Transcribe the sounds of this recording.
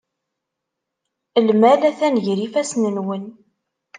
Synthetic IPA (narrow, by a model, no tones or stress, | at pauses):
əlmælæθænʝɾifæsnənwən